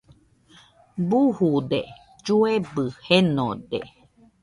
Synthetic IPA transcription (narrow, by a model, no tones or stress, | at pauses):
buhud̪ḛ | d͡ʒuebɨheno̰d̪ḛ